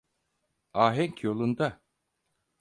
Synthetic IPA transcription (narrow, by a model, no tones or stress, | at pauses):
aːɦɛŋcʰjo̞lˠund̪a